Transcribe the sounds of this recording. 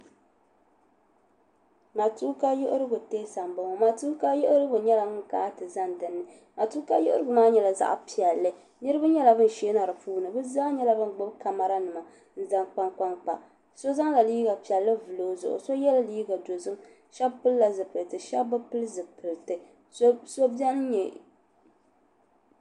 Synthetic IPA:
ma˨tu˦ka˦jʊ˦ʔʊ˦ɾɨ˦ɡʊ˨te˦sa˨mbɨ˦ŋo˨ma˨tu˦ka˦jʊ˦ʔʊ˦ɾɨ˦ɡʊ˨ɲɛ˦la˨mɨ˦˨kaː˨˦tɨ˨za˦ndɨ˨nːɨ˨ | ma˨tu˦ka˦jʊ˦ʔʊ˦ɾɨ˦ɡʊ˨maː˦ɲɛ˨la˨za̰˦˨ʔpi˨ɛ˨lːɨ˦ | nɨ˦ɾɨ˦ba˦ɲɛ˦la˨bɨ˦n˨ʃe˦na˨ɾɨ˨puː˦nɨ˨bɨ˦za˦ɲɛ˦la˨bɨ˦n˨ɡ͡bʊ˦bka˨ma˨ɾa˦nɨ˨ma˨ | n̩˦za˦ŋk͡pa˦ŋk͡pa˦ŋk͡pa̰˨ | so˦za˦ŋla˨liː˦ɡa˨pi˨ɛ˨lːɨ˦vɨ˨loː˦zʊ̰˨ʔʊ̰˨so˦jɛ˦la˦liː˦ɡa˨do˨zɨ˦ŋ | ʃa˦bpɨ˦lla˨zɨ˨pɨ˨lɨ˨tɨ˨ʃa˦bbɨ˦pɨ˦lzɨ˨pɨ˨lɨ˨tɨ˨˦ | so˦bjɛ˦n˦ɲɛ˨

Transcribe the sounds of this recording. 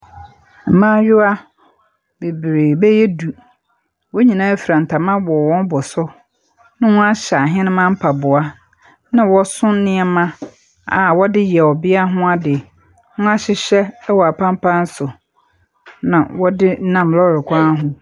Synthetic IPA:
m̩˨mãː˦ɥʊ˦a˦ | be˨bɾeː˨bɛ˦jɛ˦du˨ | wɔ˦ɲĩ˨nãː˦fi˨ɾã˨n̩˨tʰa˨mã˦bɔ˨wɔ̃˦n˦bɔ˨sʊ˦ | nʊ̃˦wʊ̃˦a˦ɕa˨ɦɛ̃˦nʊ̃˦mã˦m̩˦pʰa˨bʊ˨a˦ | nã˨wɔ˦sʊ̃˦nɪ̃˦ɛ˦mã˦ | a̰˨wɔ˦dɪ˦jɛ˨ɔ˨bɪ˦a˦ɦʊ̃˦a˦dɪ˨ | hʊ̃˦a˦ɕɪ˨ɕɛ˦wɔ˨a˨pʰã˦m˦pʰã˦n̩˦sʊ˨ | nã˨wɔ˦dɪ˦nã˨mlɔ˦ɾɪ˨kʷʰa˦ɦʊ̃˨

